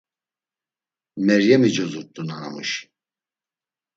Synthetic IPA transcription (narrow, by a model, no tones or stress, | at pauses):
mɛɾjɛmid͡ʒɔzut̪ʼːunana̰mṵʃ